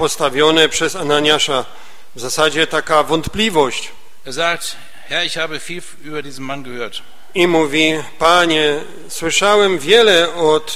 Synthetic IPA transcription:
pɔst̪avʲjɔnɛpʂɛzanaɲaʂa | vzasad͡ʑɛt̪akavɔnt̪plʲivɔɕt͡ɕ | ʔeːɐzaːk̚t | hɛɐɪçhaːbəfiːl | ʔyːbɐdiːzn̩manɡəhøːɐt | imuvʲipaɲɛ | swɘʂawɛmvʲjɛlɛɔt̪

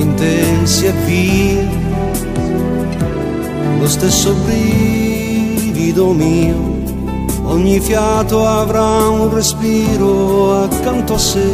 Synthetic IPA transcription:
int̪ɛnsiad̪ːiːɾ | lost̪esːobɾi | vid̪omiːo | ɔɲːifjat̪oavɾaunrespiːɾoakːant̪oasːe

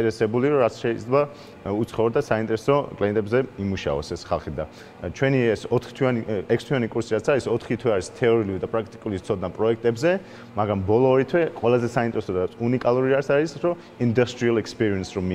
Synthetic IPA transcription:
ɛɾɛsɛbuliɾɔɾat̪sʰʃɛid̪zlɛba | ut̪sʰχɔvɔɾd̪asaint̪ʼɛɾɛsɔkʼlɛɛnt̪ʼɛbzɛimuʃa̰vɔ̰sɛsχa̰lˠχid̪a | t͡ʃʰwɛniɛsɔt̪χt̪ʰwianiɛkʰst̪ʰwianikʼuɾsiɾat̪sʰaɾisɔt̪ʰχit̪ʰwɛaɾist̪ʰɛɔɾilid̪apʼɾak̚t̪ʼi̥kʼulit̪sʰɔd̪napʼɾɔɛk̚ʰt̪ʼɛbzɛ | maɡɾambɔlˠɔːɾit̪ʰwɛqʼwɛlˠazɛsaint̪ʼɛɾɛsɔd̪aunikʼalˠuɾiaɾisaɾisɾɔ | ind̪ust̪ʼɾialˠɛkspʼiɾiɛnsɾɔmi

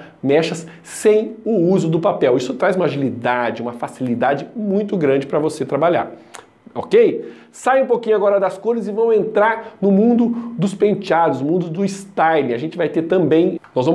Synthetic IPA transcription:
mɛʃɐs | sẽj̃ʊuzʊd̪ʊpapɛwisʊt̪ɾajzũmaʒilid̪ad͡ʒɪũmɐfasilid̪ad͡ʒɪmũj̃t̪ʊɡɾɐ̃d͡ʒɪpɾɐvoset̪ɾabaʎa̰ɾ | okej | sajũpokĩɲʊaɡɔɾɐd̪ɐskoɾɪzɪvɐ̃w̃ẽnt̪ɾaɾnʊmũnd̪ʊd̪ʊspẽnt͡ʃad̪ʊsmũnd̪ʊd̪ʊist̪ajlĩaʒẽnt͡ʃɪvajt̪eɾt̪ɐ̃mbẽj̃nɔzvɐ̃m

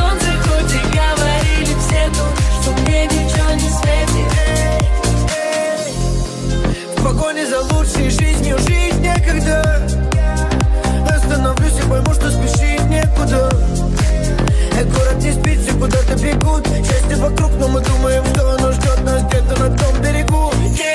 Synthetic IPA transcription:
o | ɨxot̪ʲɪɡəvɐɾʲilʲɪfsʲet̪oʂt̪obmʲenʲɪt͡ɕɪvonʲɪsvʲet̪ʲɪ | spɐkojnʲɪzɐlˠutʂɨjɪʐɨzʲnʲɪʊʐɨɪt̪nʲekɐɡd̪ə | ɐst̪ənɐvlʲusʲɪpɐjmuʂt̪ospʲɪʂit̪nʲekʊd̪ə | ɛkʊɾat̪ʲɪsʲpʲit̪ʲsʲɪkʊd̪at̪ɨbʲɪɡut̪ | jesʲlʲɪvɐkɾuknomɨd̪uməjɪmʂt̪oɐnoʐdʲot̪̚nasd̪ʲet̪ənɐft̪o̞mbʲɪɾʲɪɡu

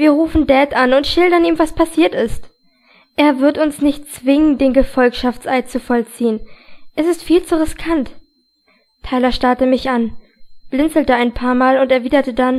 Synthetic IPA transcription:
viːɐʁuːfn̩dɛːtanʊntʃɪldɐniːmvaspʰasiːɐtɪst | ʔeːɐvɪɐtʊnsnɪçt̚t͡sv̥ɪŋəndeːnɡəfɔlkʃaft͡sʔaɪt͡sufɔlt͡siːənʔɛsɪstfiːlt͡suʁɪskʰant | tʰaɪlɐʃtaɐtəmɪçan | b̥lɪnt͡sl̩təaɪnpʰaːɐmaːlʊntɛɐviːdɐtədan

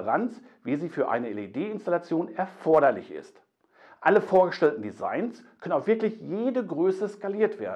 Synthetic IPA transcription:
ʁant͡s | viːziːfyːɐʔa̰ɪnəɛledeːɪnstalat͡sjoːnɛɐfɔɐɾɐlɪçɪ̰st | ʔaləfoːɐɡəʃtɛltn̩diza̰ɪnskʰœnənaʊfv̥ɪɐklɪçjeːdəɡʁøːsəskaliːɐtv̥ḛːɐdn̩

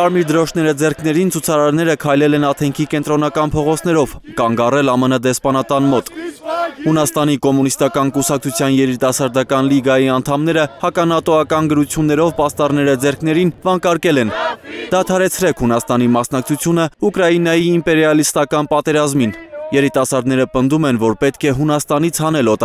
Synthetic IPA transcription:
ɑɾmiɾd̪əɾɔʃʰnɛɾəd͡zɛrkʰnɛɾint͡sʰut͡sʰɑɾɑɾnɛɾəkʰɑjlɛlɛnɑt̪ʰɛŋkʰikɛnt̪ɾɔnɑkɑnpʰɔʁɔt͡sʰn̪ɛɾɔvkɑŋɡɑrɛlɑmənəd̪ɛspɑnɑt̪ɑnmɔt̪ | hunɑst̪ɑnikɔmunist̪ɑkɑnkusɑk̚t͡sʰut͡sʰjɑnjɛɾit̪ɑsɑɾd̪ɑkɑnliɡɑjiɑnt̪ʰɑmnɛɾəhɑkɑnɑt̪ɔɑkɑnɡəɾut͡sʰjunːɛɾɔvpɑst̪ɑrnɛɾəd͡zɛɾkʰn̪ɛɾinvɑŋkɑɾkɛlɛnd̪̥ɑt̪ʰɑɾɛt͡sʰɾɛkʰhunɑst̪ɑnimɑsnɑk̚t͡sʰut͡sʰjunəukɾɑjinɑjiːmpɛɾjɑlist̪ɑkɑnpɑt̪ɛɾɑzminjɛɾit̪ɑsɑɾd̪nɛɾəpənd̪umɛnvɔɾpɛt̪kʰɛɦunɑst̪ɑnit͡sʰhɑnɛlɔt̪

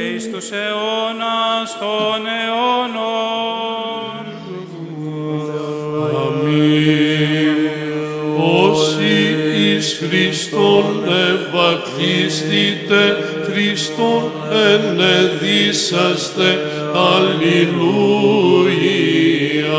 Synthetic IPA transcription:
st̪useonasoneono | ami | osiːskɾist̪onevat̪ist̪it̪e | kɾist̪on | eneðisast̪e | alilu | ji | a

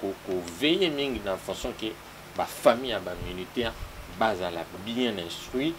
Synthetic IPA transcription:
kokovejemiŋɡinãfɔ̃sjɔ̃ke | bafamijabaminitɛʁbazala̰biɛ̃nɛ̃stʁwi

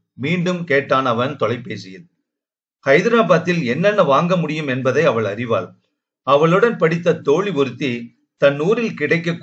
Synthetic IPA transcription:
miːɳɖɯmkeːʈːaːnɐʋɐnt̪ɔlɐɪpːeːsɪjɐðɯ | kɐɪðɪɾaːbaːt̪ːɪlɛnːɐnːɐʋaːŋɡɐmʊɽɪjɯmɛnbɐðɐɪɐʋɐɭɐrɪʋa̰ːl | ɐʋɐɭɯɽɐnpɐɽɪt̪ːɐt̪ːoːɭiʊɾɯt̪ːi | t̪ɐnːuːɾɪlkɪɽɐɪkːɐkː

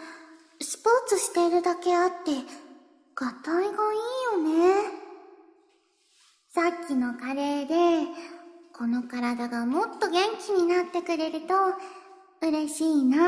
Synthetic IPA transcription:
sɨ̥po̞ːt͡sɨɕi̥t̪e̞iɾɯ̟d̪ake̞at̪ːe̞ | ɡ̥at̪aiɡaiːjo̞ne̞ | sakʲːino̞kaɾe̞ːd̪e̞ | kʰo̞no̞kaɾad̪aɡamo̞t̪ːo̞ɡẽ̞ŋkʲiɲ̟inat̪ːe̞kɯ̟ɾe̞ɾɯ̟t̪o̞ | ɯ̟ɾe̞ɕiːna

